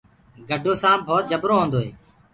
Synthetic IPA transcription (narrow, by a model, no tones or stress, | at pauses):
ɡəɖʱoːsãːbʱoːt̪̚d͡ʒəbɾoːɦõːnd̪oːɦḛː